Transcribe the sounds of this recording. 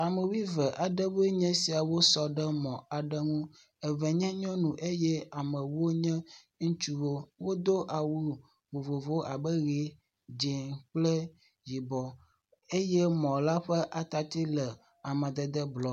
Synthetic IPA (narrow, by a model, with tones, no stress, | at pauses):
a˨me˨wi˦vɛ˨ʔa˨ɖɛ˦we˦ɲɛ̃˦si˨a˨wo˦sɔ˨ɖɛ˦mɔ̃˨a˨ɖɛ˦ŋũ˦ | e˨vɛ˨ɲɛ̃˦ɲɔ̃˦nũ˨ʔe˦jɛ˦a˨mɛ̃˨wo˦ɲɛ̃˦ | ŋ̩˦t͡ʃu˦wo˦wo˦d̪o˦ʔa˨wu˦ | vo˨vo˨vo˦a˨bə˦ɣe˦ | d͡ʒe˨ŋk͡plɛ˦ | ji˨bɔ˨ | e˦jɛ˦mɔ̃˨la˦ɸɛ˦ʔa˨t̪a˨t̪i˦lɛ˨ | a˨mɛ̃˨d̪ɛ˨d̪ɛ˦blɔ˨